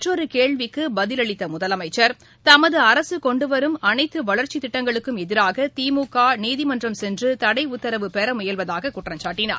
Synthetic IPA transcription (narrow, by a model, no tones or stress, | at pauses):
ɐʈrɔɾɯkeːɭʋɪkːɯbɐðɪlɐɭɪt̪ːɐmʊðɐlɐmɐɪt͡ʃːɐɾ | t̪ɐmɐðɯɐɾɐsɯkɔɳɖɯʋɐɾɯmɐnɐɪt̪ːɯʋɐɭɐɾt͡ʃit̪ɪʈːɐŋɡɐɭɯkːɯmɛðɪɾaːɣɐt̪iːmuːkːaːniːðɪmɐndrɐmsɛndrɯt̪ɐɽɐɪʊt̪ːɐɾɐʋɯpɛɾɐmʊjɐlʋɐðaːɣɐkʊʈrɐɲt͡ʃaːʈːɪna̰ːɾ